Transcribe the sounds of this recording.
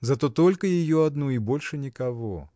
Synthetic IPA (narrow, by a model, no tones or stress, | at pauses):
zat̪ɔt̪ɔlʲkɐjajɔad̪nuibɔlʲʂɛnʲikavɔ̰